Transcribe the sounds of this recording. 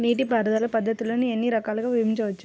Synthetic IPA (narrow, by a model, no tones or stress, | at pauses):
niːʈ̬ibʱɐːɾɐd̪aːlɐpɐd̪ːɐt̪uloːnienːiɾɐkaːlɐɡaːʋimiɲt͡ʃɐʋɐt͡ʃːu̥